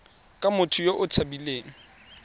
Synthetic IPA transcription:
kʼamʊtʰʊjoʔʊt͡sʰabileːŋ̩

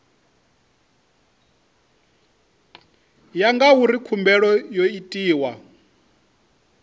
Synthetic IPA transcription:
jaŋɡawuɾikʰumbɛɺɔjoitʼiːwa

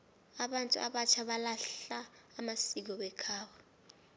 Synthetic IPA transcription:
aɓantʼṵʔa̰ɓat͡ʃʰaɓalaɬaːmasik̬ɔɓɛkʰaːwɔ

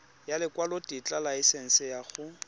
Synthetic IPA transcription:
jalɪkwalotʼit͡ɬʼalaɪsɛŋ̩sɪjaχʊ

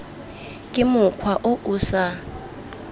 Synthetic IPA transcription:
kʼɪmʊkʰwaʔʊʔuːsa

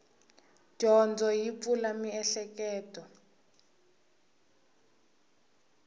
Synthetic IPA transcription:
d͡ʒ̥ʱɔnd͡zʱɔjip̪fulamiɛɬɛkɛːtʼɔ

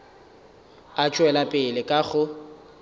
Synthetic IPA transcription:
at͡ʃʼwɛlapʼɪlɪkʼaɣʊ

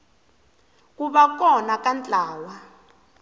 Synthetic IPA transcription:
kuɓak̬ʼɔnakant͡ɬʼaːwa

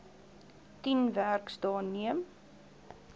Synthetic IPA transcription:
tinværksdɑːniəm

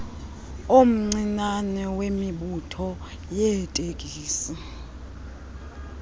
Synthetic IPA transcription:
om̩ŋ͡ǀinanɛwemiɓutʰɔ | jɛtʼekʼiːsi

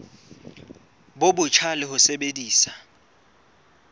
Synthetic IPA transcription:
ɓoɓʊt͡ʃʰalɪhʊsɛɓediːsḁ

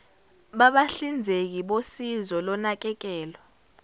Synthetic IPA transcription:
ɓaɓaɬind͡zʱek̬iɓosizɔlɔnak̬ɛk̬ɛːlɔ

